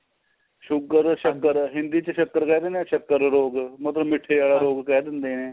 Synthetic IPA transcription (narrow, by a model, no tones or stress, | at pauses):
ʃʊkəɾʃəkːəɾɦɪ̃nd̪iːt͡ʃəʃəkːəɾkɛːd̪eːnẽːʃəkːəɾɾoːɡmət̪ləbmɪʈʰːeːaːɽaːɾoːɡkɛːd̪ɪnd̪eːneː